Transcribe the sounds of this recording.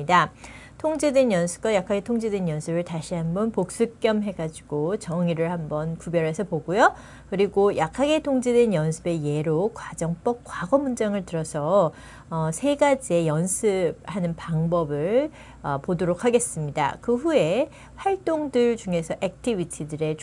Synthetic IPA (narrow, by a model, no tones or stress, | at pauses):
ida | tʰoŋd͡ʑedwenjʌnsʰɯ̥p̚k͈wajakʰaɡe̞tʰoŋd͡ʑedwenjʌnsʰɯbɯɭtaɕʰiɦambʌnpok̚s͈ɯk͈jʌmɦe̞ɡad͡ʑiɡ̥ot͡ɕʌŋiɾɯɭhambʌnkubjʌɾe̞sʰʌpoɡojo | kɯɾiɡojʔakʰaɡe̞tʰoŋd͡ʑedwenjʌnsʰɯbe̞je̞ɾokwad͡ʑʌŋp͈ʌk̚k͈waɡʌmund͡ʑaŋɯɭtɯɾʌsʰʌ | ʌsʰe̞ɡad͡ʑie̞jʌnsʰɯb̚hanɯnpaŋbʌbɯɭ | ʌpodoɾokʰaɡe̞s͈ɯmɲida̰kɯɸue̞ | ɸwaɭt͈oŋdɯɭt͡ɕuŋe̞sʰʌʔek̚tʰibitʰidɯɾe̞t͡ɕ